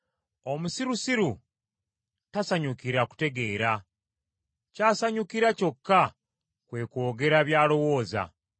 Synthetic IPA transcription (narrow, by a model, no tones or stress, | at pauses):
o̞musiɾusiɾu | tasaɲukiɾaku̥te̞ɡe̞ːɾa | caːsaɲukiɾaco̞kːa | kwe̞ːko̞ːɡe̞ɾaβjaːlo̞wo̞ːza̰